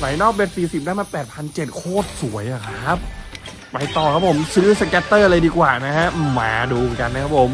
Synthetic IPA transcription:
sa˩˦jnɔː˥˩k̚we˦˥t̪̚siː˨˩si˨˩daː˦˥˩maː˧pɛː˨˩t̪̚pʰa˧nt͡ɕe˨˩t̪̚kʰoː˥˩t̪̚su˩˦əjʔa˨˩kʰɾa˧˦˥p̚ | pa˧jt̪ɔː˨˩kʰa˦˥pʰo˩˦msɯː˦˥sa˧kɛ˦˥t̪ːɤː˥˩ʔa˧ɾa˧jdiː˧kwaː˨˩na˦˥kʰa˦˥ʔma̰ː˩˦duː˧mɨ˩˦nka˧nːa˦˥kʰa˦˥pʰo˨˩˦m

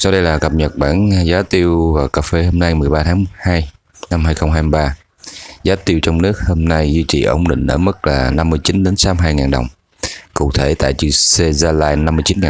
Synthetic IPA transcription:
sa˧wɗə˧jlaː˨˩kə˨˩p̚ɲə˨˩t̚ɓaː˧˩nzaː˨˦t̪i˧əwvaː˨˩wkaː˨˩fe˧ho˧mna˧jmɨ˨˩əjɓaː˧t̪ʰaː˨˦˧haː˧j | na˧mhɦaː˧jxə˧wŋ͡mɦaː˧mi˧˩ɓaː˧ | zaː˨˦t̪i˧əwt͡ɕɔ˧wŋ͡mnɨ˦˥ək̚ho˧mna˧jzwi˧t͡ɕḭ˧˨˩ʔə̰˧˩wŋ͡mɗḭ˧˨ŋ̟ʔə̰ː˧˩mə˦˥t̚laː˨˩na˧mːɨ˧əjt͡ɕi˨˦nɗe˨˦nsaː˨˦mɦaː˧jŋaː˨˩nɗə˨˩wŋ͡m | kṵ˧˩t̪ʰe˧˩t̪a̰ː˧˨jt͡ɕɨ̰˧˩se˧zaː˧laː˧jna˧mːɨ˧ət͡ɕi˨˦nŋaː˨

